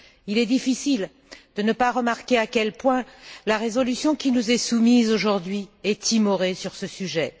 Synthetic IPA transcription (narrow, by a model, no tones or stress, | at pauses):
ilɛd̪ifisil | d̪̥ənəpaʁəmaʁkʲeakʲɛlpwɛ̃laʁezɔlysjɔ̃kʲinuzɛsumizoʒuʁd̪ɥiɛt̪ʰimɔʁesyʁsəsyʒɛ